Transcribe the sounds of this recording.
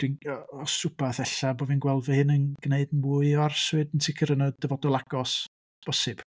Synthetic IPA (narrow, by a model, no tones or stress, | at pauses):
d̥winɔɔsʊbaθɛɬaboːvinɡwɛlˠvəhɪnənɡ̥neɨdnmuːɨɔarswɨdəntʰɪkʰəɾənɔd̥əvɔdɔlˠaɡ̥ɔs | sb̥ɔsɪb̥